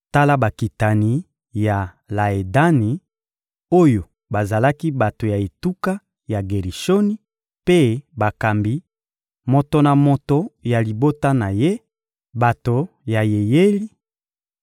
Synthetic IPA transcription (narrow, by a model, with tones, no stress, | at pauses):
ta˦la˦ba˨ki˨ta˨ni˨ | ja˨ | la˨e˨da˦ni˨ | o˦jo˨ | ba˨za˨la˦ki˦ba˨to˨ja˨e˨tu˦ka˦ | ja˨ɡe˨ʁi˨ʃo˦ni˦ | pe˦ba˨ka˨mbi˦ | mo˨to˨na˨mo˨to˨ja˨li˨bo˦ta˦na˨je˦ | ba˨to˨ | ja˨je˨je˦li˦